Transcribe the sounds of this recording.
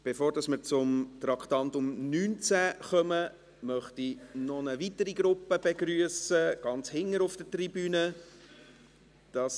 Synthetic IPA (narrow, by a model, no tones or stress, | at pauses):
b̥efoːɾd̥ɑsməɾt͡sʊmt̪ɾɑktɑntʊmnyːnt͡sæχœmə | mœχtinɔnəvitəɾiɡɾʊpːəb̥eɡɾyəsəɡ̥ɑnt͡shɪŋːəɾʊfd̥ətribyːnə | d̥ɑs